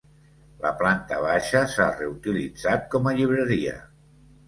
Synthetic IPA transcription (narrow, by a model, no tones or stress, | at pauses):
ləplant̪əβ̞aʃəsareut̪ilid͡zat̪̚kɔməʎiβ̞ɾəɾiə̰